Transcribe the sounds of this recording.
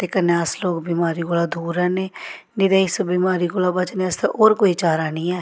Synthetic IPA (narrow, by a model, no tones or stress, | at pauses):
t̪eːkəneaːsloːkbiːmaːɾiːkoːlaːd̪uːɾɛːneː | d͡ʒɪd̪ẽisbiːmaːɾiːkoːlaːbət͡ʃneːəst̪eʔoːɾkoːiːt͡ʃaːɾaːnĩːɛː